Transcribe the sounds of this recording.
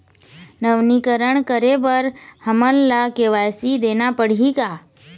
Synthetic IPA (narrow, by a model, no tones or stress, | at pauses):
nəʋnikəɾəɳkəɾebəɾhəmənlakeʋajsid̪enapəɽ̤ika